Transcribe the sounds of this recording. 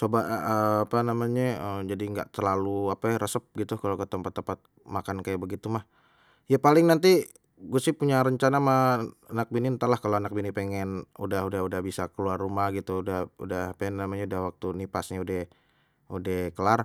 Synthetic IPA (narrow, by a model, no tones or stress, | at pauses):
t͡ʃobaəːpanamaɲaəmd͡ʒadiŋɡa̰ʔt̪ərlaluaparəsəp̚ɡit̪ukalokət̪əmpat̪ːəmpat̪̚ | makankajaʔbəɡit̪umah | japalɪŋnant̪i | ɡuasɪhpuɲaɾəɲt͡ʃanamahanak̚binint̪alahkalowanak̚binipeŋɛnṵdaɦudahudahbisakəluarːumahɡit̪udahṵdahpenːamaɲaudahwak̚t̪unipasɲaudɛh | udɛhkəlar